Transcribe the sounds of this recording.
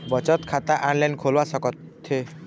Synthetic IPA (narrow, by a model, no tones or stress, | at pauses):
bɔt͡ʃɔt̪kʰat̪aʔanlajnkʰolwasɔkɔt̪ʰːe